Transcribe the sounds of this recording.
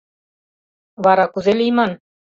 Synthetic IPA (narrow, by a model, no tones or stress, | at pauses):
βɑɾɑkuzelʲijmɑn